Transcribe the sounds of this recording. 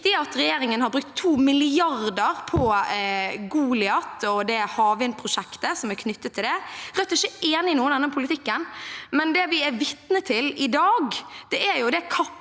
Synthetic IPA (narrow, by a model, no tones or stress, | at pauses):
t̪ɪɑt̪ɾɛjeːɾɪŋənhɑɾbɾʉk̚t̪ʰːuːmɪlɪɑɾd̪əɾpʰɔ | ɡuːlɪɑt̪ɔd̪ɛhɑːʋɪnpʰɾʊʂɛkt̪əsɔmæɾkʰnʏt̪ːət̪ʰːɪld̪ɛɾɛt̪ːɪʃçːəeːnɪɪnuːənd̪ɛnːəpʰʊlɪt̪ʰɪkːənmɛnd̪ɛʋɪæɾʋɪt̪nət̪ʰɪlɪd̪ɑːɡd̪̥ɛʔæɾjʊd̪ɛkʰɑpː